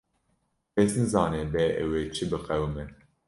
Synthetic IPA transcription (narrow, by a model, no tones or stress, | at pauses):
pesnɨzɑːneːbɛɛ̰weːt͡ʃʰɨbɨqɛwmɛ